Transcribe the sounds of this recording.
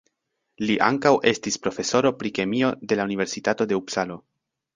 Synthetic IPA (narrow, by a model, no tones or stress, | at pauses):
liʔa̰ŋkawʔe̞stispɾo̞fe̞so̞ɾo̞pɾike̞mio̞de̞launive̞ɾsitato̞de̞uksalo̞